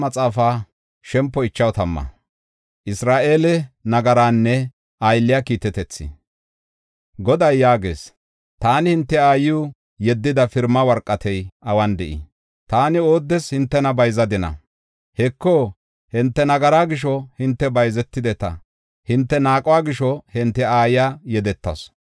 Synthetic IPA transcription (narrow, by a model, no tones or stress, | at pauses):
mɐt͡sʼaːfaː | ʃɛmpːɔɪt͡ʃːɐwt̪ɐmːɐ̰ | ʔɪsɾaːʔe̞ːlɛnɐɡɐɾaːnːɛ | ʔɐjlːɪjakiːt̪ɛt̪ɛt͡sːɪ̰ | ɡɔd̪ɐjːaːɡe̞̰ːs | t̪aːnɪhɪnt̪ːɛaːjuː | jɛd̪ːɪd̪ɐfɪɾmɐwɐɾkʼːɐt̪ʰɛjʔɐwɐnd̪ɛʔḭ | t̪aːnɪoːd̪ːɛshɪnt̪ːɛnɐbɐjzɐd̪ɪnɐ̰ | hɛkːoː | hɪnt̪ːɛnɐɡɐɾaːɡɪʃɔhɪnt̪ːɛbɐjzɛt̪ːɪd̪ɛt̪ɐ̰ | hɪnt̪ːɛnaːkʼɔwaːɡɪʃɔhɪnt̪ːɛaːjɪjaːjɛd̪ɛt̪ːɐ̰s